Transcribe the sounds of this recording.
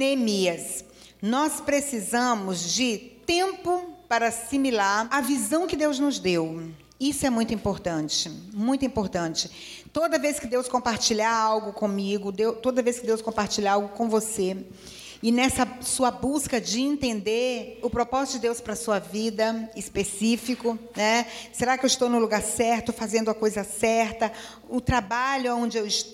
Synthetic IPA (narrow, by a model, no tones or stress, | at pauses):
nemiɐs | nɔspɾesizɐ̃mʊzd͡ʒɪt̪ẽmpʊpaɾasimilaɾɐvizɐ̃w̃kɪd̪ewznʊzd̪ew | isʊɛmũj̃t̪ʊĩmpoɾt̪ɐ̃t͡ʃɪmũj̃t̪ʊĩpoɾt̪ɐ̃t͡ʃɪ | t̪od̪ɐveskɪd̪ewskõmpaɾt͡ʃiʎaawɡʊkõmiɡʊd̪ewt̪od̪ɐveskɪd̪ewskõmpaɾt͡ʃiʎaawɡʊkõw̃vose | ɪnɛsɐsuɐbuskɐd͡ʒɪẽnt̪ẽnd̪eɾʊpɾopɔzitʊd͡ʒɪd̪ewspɾɐsuɐvid̪ɐɪspesifikʊnɛseɾakɪewɪst̪ownʊ̃luɡaɾsɛɾt̪ʊfazẽnd̪ʊɐkojzɐsɛɾt̪ɐ | ʊt̪ɾabaʎʊaõnd͡ʒɪewɪʃ